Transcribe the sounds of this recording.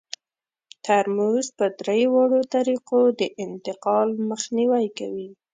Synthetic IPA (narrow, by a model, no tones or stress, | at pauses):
t̪aɾmuzpəd̪ɾejwɑɽot̪aɾiqod̪əʔɪnt̪ɪqɑlməxniwajkawi